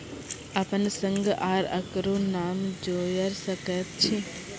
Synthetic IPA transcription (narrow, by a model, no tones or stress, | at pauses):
ɐpənsəŋɡʔaːɾɐ̰kɾonaːmd͡ʒoːjəɾsəkət̪̚t͡ʃʰi